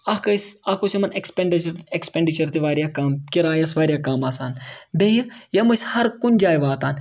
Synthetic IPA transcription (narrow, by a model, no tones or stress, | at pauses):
ɐkɐsɐkosimɐnekspeɳɖit͡ʃɾekspeɳɖit͡ʃɐɾt̪iʋaːɾijaːkaːmkiɾaːjɐsʋaːɾʲijaːkaːmaːsaːnbeːjijɐmɐshɐɾkund͡ʒaːjʋaːt̪aːn